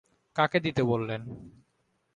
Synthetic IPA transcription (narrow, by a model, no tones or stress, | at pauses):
kaked̪it̪ebolːen